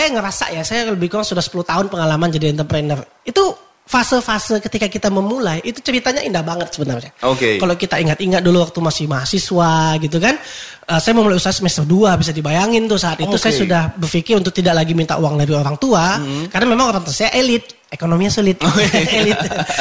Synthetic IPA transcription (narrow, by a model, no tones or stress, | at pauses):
sajaŋəɾasa̰ʔjasajaləbɪhkuɾaŋsudahsə̥pulʊht̪aʊnpəŋalamand͡ʒadiɛnt̪ərpɾɛnər | it̪u | fasəlfasəlkət̪ikakit̪aməmulajʔit̪ut͡ʃəɾit̪aɲaindahbaŋət̪̚səbənarɲaokekalokit̪aiŋat̪̚iŋat̪̚duluwak̚t̪umasɪhmaɦasiswaɡit̪ukan | əːsajaməmulajusaɦasəmɛst̪ərduabis̬adibajaŋɪnt̪ʊsaːt̪it̪usajasudahbərfikɪɾunt̪ʊk̚t̪idaʔlaɡimint̪a̰ʔuwaŋlabioɾaŋt̪uakaɾənamemaŋaɾant̪asajaʔelɪt̪̚ | ekonomiɲasulɪt̪̚elɪ